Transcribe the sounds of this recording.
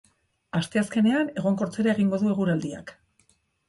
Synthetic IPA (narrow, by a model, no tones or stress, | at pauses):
ast̪e̞aske̞ne̞ane̞ɣ̞o̞ŋko̞ɾt͡se̞ɾaeɣ̞iŋɡo̞ðue̞ɣ̞uɾald̪ia̰k